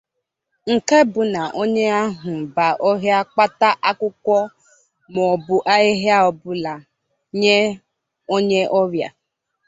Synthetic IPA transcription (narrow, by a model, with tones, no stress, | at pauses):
ŋ̩˨ke˦bʊ˨na˨ʔo˦ɲe˦a˦ɦʊ˨ba˨ʔɔ˦ɦja˦k͡pa˦ta˦ʔa˦kʊ˦kʷɔ˦ | mɔ˨bʊ˨ʔa˦ɪ˦ɦja˦ɔ˨bʊ˦la˨ | ɲe˦ | o˦ɲe˦ʔɔ˦ɾja˨